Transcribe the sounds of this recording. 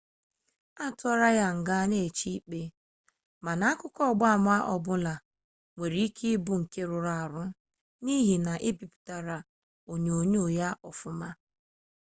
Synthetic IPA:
a˦tʊ˦ɔ˦ɾa˦ja˦ŋ̩˨ɡa˦ne˦˨t͡ʃi˦k͡pe˦ | ma˨na˨˦kʊ˦kɔ˦˨ɡ͡ba˦a˨m˦a˦ʔɔ˨bʊ˦la˨ | ŋʷe˨ɾi˨˦i˦kʰi˦bʊ˦ŋ̩˨ke˦ɾʊ˨ɾa˨a˨ɾʊ˦ | ni˦ɦi˨na˨ʔɪ˦bi˨pi̥˨ta˨ɾa˨ | o˨ɲ˨o˨ɲ˦o˨ja˦ɔ˨fʊ˦ma˦

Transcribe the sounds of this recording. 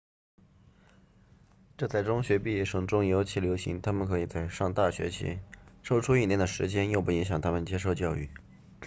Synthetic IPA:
ʈ͡ʂɤ˥˧t͡sa˥˩ɪʈ͡ʂʊ˥ŋɕɥɛ˧˥pi˥˩˥ʂɤ˨˩ŋʈ͡ʂʊ˥ŋjo˧˥ʊt͡ɕʰi˧˥˩ljo˧˥ʊɕḭ˧˥ŋt̪ʰa˥mə˨nkʰɤ˧˥i˨˩t͡sa˥˧ɪʂɑ˥˧ŋt̪a˥˩ɕɥɛ̰˧˥t͡ɕʰḭ˧˥ʂo˥˧ʊʈ͡ʂʰu˥i˥˩njɛ˥nd̪ə˩ʂɻ̩˧˥t͡ɕjɛ˥njo˥˧ʊpu˥˩i˧˥ŋɕjɑ˨˩ŋt̪ʰa˥mə˨nt͡ɕjɛ˥ʂo˥˧ʊt͡ɕjɑ˥˧ʊy̰˥˩

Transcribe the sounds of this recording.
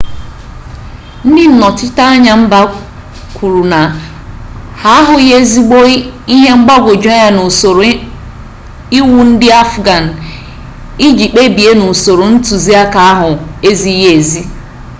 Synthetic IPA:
n̩˦dɪ˦n̩˨nɔ˨tɪ˦ta˦a˦ɲa˨m̩˦ba˦ | kʰʷu˨ɾu˨na˨ | ha˨a˦ɦʊ˨˦je˦zi˦ɡ͡bo˦i˦ɦe˦ŋ͡m̩˦ɡ͡ba˦ɡʷo˨d͡ʒa˦ja˦no˨so˨ɾo˨˦ | i˦wu˨n̩˦dɪ˦a˦fɡa˨n̩˨ | i˦d͡ʒi˨k͡pe˦bi˨e˦no˨so˨ɾo˨n̩˦tu˨zi˦a˦ka˨a˦ɦʊ˨e˦zi˦ɦe˦e˨zi˦

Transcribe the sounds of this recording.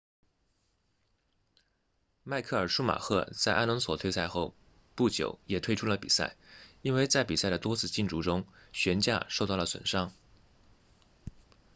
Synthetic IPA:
ma˥˧ɪkʰɤ˥˩ə˞˨˩ʂu˥ma̰˨˩xʰɤ̰˥˧t͡sa˥˩ɪʔa˥nə˧˥nswɔ˨˩t̪ʰwe˥˧ɪsa˥˧ɪxo˥˧ʊ | pu˥˩t͡ɕjo̰˨˩ʊjɛ˨˩t̪ʰwe˥ɪʈ͡ʂʰu˥lə˨pi˨˩sa̰˥˩ɪi˥nwe˥˧ɪt͡sa˥˩ɪpi˨˩sa˥˩ɪd̪ə˩t̪wɔ˥t͡sʰɹ̩˥˧t͡ɕi˥˧nʈ͡ʂu˧˥ʈ͡ʂʊ˥ŋɕɥɛ˧˥nt͡ɕja̰˥˧ʂo˥˧ʊt̪ɑ˥˩lə˩swə̰˨˩nʂɑ˥ŋ

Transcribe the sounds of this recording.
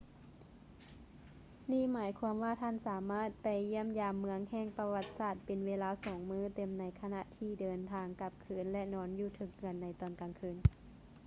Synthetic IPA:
niː˧˥˨maː˩˨˦jkʰu˧əmʋaː˧˩t̪ʰaː˧˥˨nsaː˨˦maː˧˥˩t̪̚pa˨˩jːi˧˥˩əmjaː˨mːɯ˧əŋhɛː˧˩ŋpa˧wa˧˩t̪̚saː˧˩t̪̚pe˨nweː˧laː˧˥sɔː˨˦ŋmɯː˧˥˨t̪e˨˧˩mna˨˧jkʰa˧na˧ʔt̪ʰiː˧˩dɤː˨nt̪ʰaː˧ŋka˧p̚kʰɯː˧˩nlɛ˧nɔː˧˥njuː˧t̪ʰɯ˧˩k̚nɯ˧˩ənːa˧˦jt̪ɔː˧˩nkaː˨˩ŋkʰɯː˧˥˨n

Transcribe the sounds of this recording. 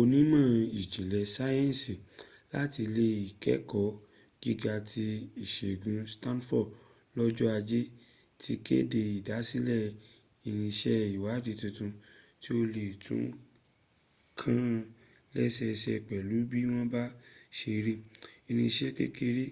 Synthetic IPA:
o˧nĩ˨˦mã˦˨i˨d͡ʒi˨lɛ˧sa˦jɛ̃˦n˨si˨ | la˦ti˧le˦i˨kɛ˨˦kɔ˨˦ | ɡ̥i˦ɡa˧tʰi˧i˨ʃe˨ɡũ˧sta˦nfɔ˦˨ | lɔ˦d͡ʒɔ˦a˧d͡ʒe˦ | tʰi˦kḛ˦de˧i˨da˨˦si˦lɛ˦˨ | i˧nĩ˧ʃɛ˦i˨wa˨˦˨di˨˧tũ˧tũ˧ti˦o˧le˨tʰṵ̃˨˦ | kʰã˦˧ | lɛ˦ʃɛ˧ʃɛ˧k͡pɛ˨lu˨˦bi˦w̃ɔ̃˦ba˦ʃe˧ɾi˦i˧nĩ˧ʃɛ˦kḛ˦ke˧ɾi˦

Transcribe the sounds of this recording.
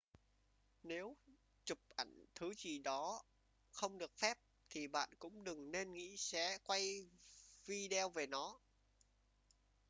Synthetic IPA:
ne˨˦w | t͡ɕʊ˨˩p̚ʔə˧˩jŋt̪ʰɨ˨˦zi˨˩ɗɔ˨˦ | xə˧wŋ͡mɗɨ˨˩ək̚fɛ˦˥p̚ | t̪ʰi˨˩ɓa̰ː˧˨nkʊ̰˧˥ŋ͡mɗɨ˨˩ŋne˧nŋḭ˧˥sɛ̰˧˥kwa˧j | vi˧ɗɛ˧wve˨˩nɔ˨˦

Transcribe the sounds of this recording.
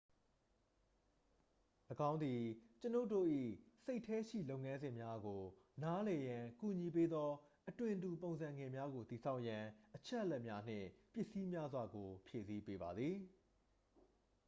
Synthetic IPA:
ləɡã˦ʊ̃nd̪i˨t͡ɕəno˦ʊto̰˦˨ʔḭ˦˨se˦ɪtʰːɛ˦ʃḭ˦˨lo˦ʊʔŋã˦nzɪ̃˨mja˦ɡo˨na˦lɛ˨jã˨ku˨ɲi˨p̬e˦d̪ðɔ˦ʔətwɪ̃˨ntu˨põ˨ʊ̃nzã˨ŋɡɪ̃˨mja˦ɡo˨t̪i˨sʰa˦ʊʔjã˨ʔət͡ɕʰɛ˦ʔəlɛ˦ʔmja˦n̥ɪ̰̃˦˨pjɪ˦ʔsi˦mja˦zwa˨ɡo˨pʰje˨si˦pe˦ba˨d̪ði˨

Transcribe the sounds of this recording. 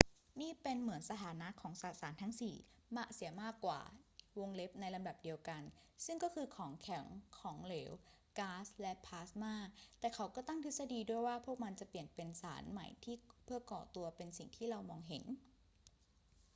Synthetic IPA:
niː˥˩pe˧nmɯ˩˦ənsa˧t̪ʰaː˩˦na˦˥kʰɔː˩˦ŋsaː˨˩t̪̚saː˩˦nt̪ʰa˦˥ŋsiː˨˩ | ma˦˥ʔsi˩˦ɐmaː˥˩kːwa̰ː˨˩wo˧ŋle˦˥p̚na˧jla˧mda˨˩p̚di˧əwka˧nsɯ˥˩ŋkɔː˥˩kʰɯː˧kʰɔː˩˦ŋkʰɛ˩˦ŋkʰɔː˩˦ŋleː˩˦w | kaː˦˥slɛ˦˥ʔpʰaː˦˥smaː˥˩k̚t̪ɛː˨˩kʰa˩˦wkɔː˥˩t̪a˥˩ŋt̪ʰɯ˦˥sa˧diː˧du˥˩əjwaː˥˩pʰu˥˩ək̚ma˧nt͡ɕa˨˩pli˨˩ənpe˧nsa̰ː˩˦nma̰˨˩jt̪ʰiː˥˩pʰɯ˥ɐkɔː˨˩t̪u˧ɐpe˧nsi˨˩ŋt̪ʰiː˥˩ɾa˧wmɔː˧ŋɦe˩˦n

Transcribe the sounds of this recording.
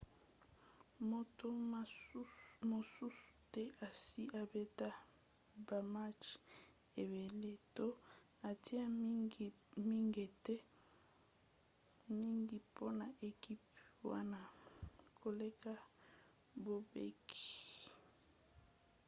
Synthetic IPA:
mo˨to˦ | mo˨su˦su̥˨tɛ˦ʔa˨si˦ʔa˨be˦ta˦ | ba˨ma˦t͡ʃ | e˨be˨le˦to˦ | a˨ti˦a˦˨ | mi˦ŋɡe˨tɛ˦ | mi˦ŋɡi˨po˦na˨ʔe˨ki˦pwa̰˦na˦kʰo˨le˦ka˦ | bo˨bḛ˦ki̥˨

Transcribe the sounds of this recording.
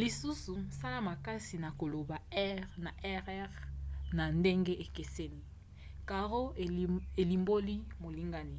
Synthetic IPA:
li˨su˦su˨sa˦la˦ma˨ka˦si˨na˨ko˨lo˨ba˨ɛ˦ʁna˨ʔɛ˦ʁɛ˦ʁna˨nde˦ŋɡe˦ʔe˨ke˨se˦ni˦ | ka˨ʁo˦˨e˨li˨mbo˦li˦mo˨li˦ŋɡa˦ni˨

